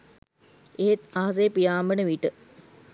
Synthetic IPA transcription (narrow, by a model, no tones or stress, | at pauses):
eɦet̪aɦɐs̬ejpijaːmbənəʋiʈə